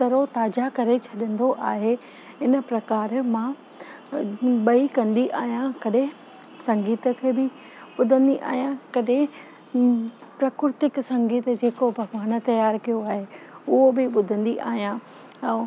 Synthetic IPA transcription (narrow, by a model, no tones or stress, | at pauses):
t̪ɐɾot̪aːd͡ʑakɐɾet͡ɕʰɐɗə̃n̆d̪oʔaːɦe | ɦɪnə̆pɾɐkaːɾmã | ɓɐikɐ̃nd̪iʔaːɦijãkɐɗɦẽ | sɐ̃ŋɡiːt̪ə̆kʰeːbɪ | ɓʊd̪ʱə̃nd̪iʔa̰ːɦijãkɐɗɦɪ̃ | pɾɐkʊɾt̪ɪksɐ̃ŋɡiːt̪̆d͡ʑeːkobʱɐɡʋaːn̆t̪ɐjaːɾkijoaːɦe | ʊɦobɪɓʊd̪ʱə̃nd̪iʔa̰ːɦijã | ɛ̃ː